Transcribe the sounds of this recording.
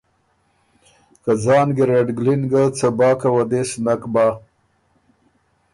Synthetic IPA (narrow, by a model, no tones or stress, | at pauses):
kad͡zɑːnɡeɾaɖɡlinɡat͡sabɑːkawad̪esnakbɑː